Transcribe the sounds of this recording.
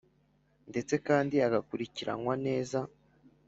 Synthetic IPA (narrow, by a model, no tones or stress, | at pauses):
nde̞t͡se̞kaːndiaɡakuɾiciɾa̰nŋwane̞ːza